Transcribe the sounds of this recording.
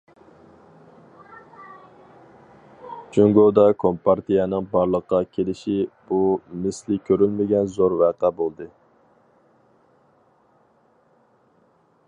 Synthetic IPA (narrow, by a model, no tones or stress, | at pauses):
d͡ʒyŋɡod̪ɑkʰompɑɾt̪ʰijɛnɨŋbɑɾlˠəqːɑkʲʰelɪʃib̥umɪslɪkʲʰøɾylmɪɡʲɛnzoɾvæqæbolˠd̪ɨ